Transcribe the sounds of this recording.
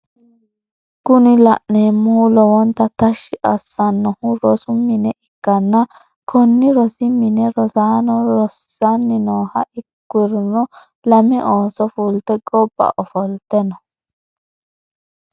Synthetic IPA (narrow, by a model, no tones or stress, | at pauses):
kʊnɪlɐ̰ʔneːmːuːlɔwɔnt̪ːɐt̪ɐʃːɪʔɐsːɐnːɔhʊɾɔsʊmɪnɛʔɪkːɐnːɐ | kʰɔnːɪɾɔsɪmɪnɛɾɔsaːnɔɾɔsːɐnːɪnoːhɐʔɪkːɪɾnɔ | lɐmɛʔoːsɔfuːlt̪ɛɡɔbːɐ̰ʔɔfɔlt̪ɛnɔ